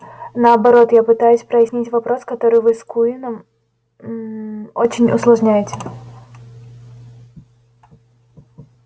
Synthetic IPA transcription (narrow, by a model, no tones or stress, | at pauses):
nəɐbɐɾo̞t̪japɨt̪ajʊsʲpɾəjɪsʲnʲitʲvɐpɾo̞skɐt̪o̞ɾɨjvɨskuinəm | ot͡ɕɪnʲʊ̰slˠɐʐnʲæjɪtʲɪ̥